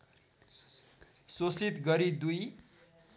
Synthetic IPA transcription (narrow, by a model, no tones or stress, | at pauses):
sosit̪ɡʌɾid̪uj